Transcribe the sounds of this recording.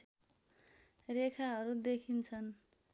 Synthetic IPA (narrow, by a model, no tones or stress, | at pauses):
rekʰaɦʌɾud̪ekʰint͡sʰʌn